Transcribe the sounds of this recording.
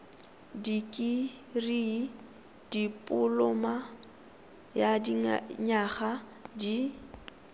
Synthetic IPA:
dikʼiri | d̥ipʼʊlʊma | jadiɲaχa | di

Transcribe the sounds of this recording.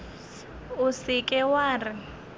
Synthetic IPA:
ʊsɪkʼɛwaːrɪ

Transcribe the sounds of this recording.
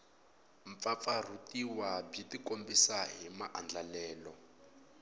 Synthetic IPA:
ɱp̪fafar̤utiwabitikombisaɦimaʔand͡ɮalɛːlɔ

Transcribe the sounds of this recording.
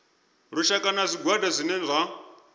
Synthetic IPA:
ɺuʃakʼanazʷiɡwadazʷinɛzʷa

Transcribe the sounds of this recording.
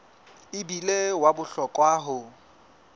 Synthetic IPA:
ɪbilewabʊɬɔkʼwaːɦʊ

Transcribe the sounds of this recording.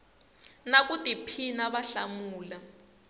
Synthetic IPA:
nakutʼipʰinaβaɬamuːla

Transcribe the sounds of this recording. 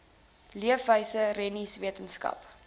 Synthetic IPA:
liəfəjsərɛnisviətənskɐ̰p

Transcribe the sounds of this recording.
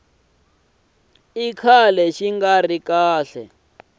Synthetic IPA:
ikʰalɛʃiŋɡarikaːɬɛ̰

